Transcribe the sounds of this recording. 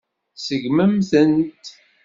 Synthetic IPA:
səʝməmθənt̪

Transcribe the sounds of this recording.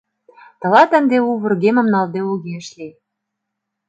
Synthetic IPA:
t̪ɤ̆lɑt̪æ̆nd̪euβə̆rɣemə̆mnɑld̪euɣeʃlʲe

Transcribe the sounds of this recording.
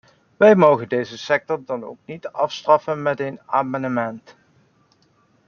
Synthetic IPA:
ʋɛjmowχəndejzəsɛk̚tɔɹdɑno̰wknitɑfstrɑfənmɛtejnaːmɑnəmɛnt

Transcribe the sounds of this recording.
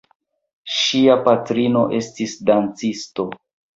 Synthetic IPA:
ʃiapatɾino̞ʔe̞stisdant͡sisto̞

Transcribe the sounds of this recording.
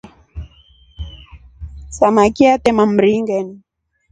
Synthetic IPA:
samakiat̪ɛmam̩ɾiŋɡɛni

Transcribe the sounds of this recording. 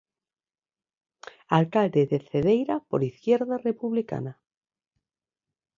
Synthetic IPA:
alkald̪eðeθeðejɾapo̰ɾiθkjɛɾðarepuβlika̰na

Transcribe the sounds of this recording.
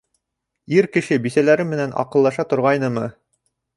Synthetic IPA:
iɾkɘ̆ʃɘbisælæɾɘmːɘ̆nænʔɑ̰qɤ̆lˠːɑʃɑt̪ŏɾʁɑjnɤmɤ

